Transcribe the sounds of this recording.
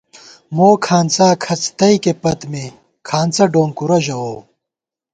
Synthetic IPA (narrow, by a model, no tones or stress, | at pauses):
moːkʰaːnt͡saːkʰɐt͡st̪ɐikepɐt̪me | kʰaːnt͡sɐɖoːŋkuɾɐʑɐoː